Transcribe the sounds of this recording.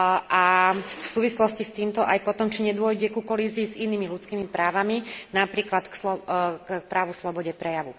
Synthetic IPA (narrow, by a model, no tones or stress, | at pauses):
ʔafsuːʋislɔscist̪iːmt̪ɔʔajpɔt̪ɔmt͡ʃiɲɛd̪ʊɔjɟɛkukɔliːziːziniːmilut͡skiːmipɾaːʋaminapɾiːklat̪kslɔk̚pɾaːʋuslɔbɔɟɛpɾɛjaʋu